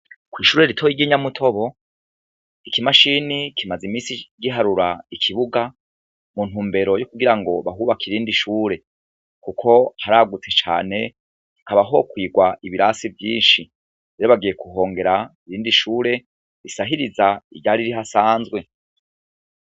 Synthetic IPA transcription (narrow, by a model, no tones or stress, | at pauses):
kwiːʃuːɾe̞ɾitʰojiɡiɲamutʰo̞βo̞ | ikimaʃinikimazimiːsiɡɟiɦaɾuɾaikʰiβuɡa | mun̥huːmbe̞ɾo̞jokuɡiɾaŋɡo̞βaɦuβakiɾiːndiʃuːɾe̞ | kukʰo̞haɾaːɡutʰet͡ʃa̰ːne̞ | hikaβaɦo̞kwiːɡwaʔiβiɾasivjiːnʃi | eɾoβaɡije̞kuɦo̞ːŋɡe̞ɾaiɾiːndiʃuːɾe̞ | ɾisaɦiɾizaiɾɟaɾiɾiɦasaːnzwe̞